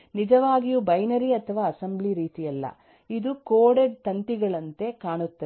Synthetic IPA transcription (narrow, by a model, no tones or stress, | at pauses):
nid͡ʒɐʋaːɡijubɐjnɐɾiɐt̪ʰɐʋaːɐsɐmbliɾiːt̪ijɐlːɐ̰ | id̪ukoːɽeɖ̚t̪ɐnt̪iɡɐɭɐnt̪e̞kaːɳut̪ːɐ